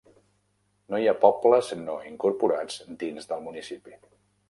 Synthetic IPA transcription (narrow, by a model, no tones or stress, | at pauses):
nojapɔpləznoiŋkuɾpuɾad͡zd̪inzðəlˠmunisipi